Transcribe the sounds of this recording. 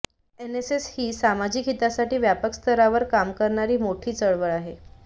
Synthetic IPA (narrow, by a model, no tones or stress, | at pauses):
eneseshiːsamad͡ʑikɦit̪asaʈiːʋjapəkst̪ʰəɾaʋəɾkamkəɾɳaɾiːmoʈʰiːt͡səɭʋəɭaɦe